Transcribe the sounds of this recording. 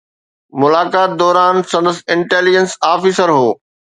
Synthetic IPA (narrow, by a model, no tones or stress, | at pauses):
mʊlaːkaːt̪̚d̪ɔːɾaːnsɐ̃nd̪əsɪ̃ɳʈeːlid͡ʒənsaːfiːsəɾɦoː